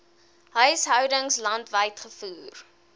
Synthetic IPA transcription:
ɦəjsɦœwdəŋslɐntvəjtχəfuːr

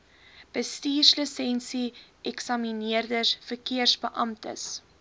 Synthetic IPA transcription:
b̥əstiːrsləsɛnsiʔɛksɐminiərdəsfərkiərsbəʔɐmtə̰s

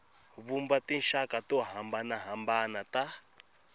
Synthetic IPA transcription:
βumbatin̩ʃakatuaɦambanaɦambanata

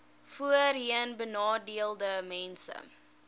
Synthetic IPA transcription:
fuərɦiənbənɑːdiəlˠdəmɛnsə̰

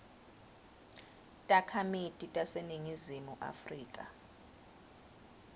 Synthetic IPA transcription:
tʼakʰamitʼitʼaseniŋizimuʔa̰friːkʼa̰

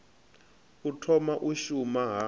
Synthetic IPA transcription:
utʰɔmaʔuʃumaɦa

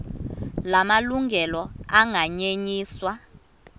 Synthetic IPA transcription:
lamaluŋɡʱɛlɔaŋʱaɲeɲiːswa

